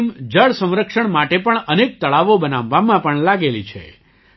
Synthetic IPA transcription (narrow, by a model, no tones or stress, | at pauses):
md͡ʒəɭsə̃w̃ɾəkʂəɳmaʈepəɳənek̚t̪əɭaʋobənaʋːamãpəɳlaɡelit͡ʃʰḛ